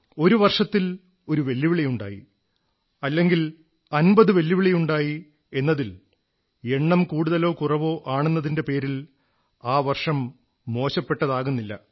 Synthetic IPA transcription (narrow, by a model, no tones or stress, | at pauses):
o̞ɾuʋɐrʂɐt̪ːil | o̞ɾuʋe̞lːiʋiɭɐjuɳɖa̰ːjḭ | ɐlːe̞ŋɡil | ɐnbɐðɨʋe̞lːiʋiɭɐjuɳɖaːji | e̞nːɐðil | e̞ɳːɐmkuːɽuðɐlo̞ːkurɐʋo̞ːʔaːɳunːɐðindepe̞ːɾil | aːʋɐrʂɐmː | o̞ːɕɐpːe̞ʈːɐðaːɣunːilːɐ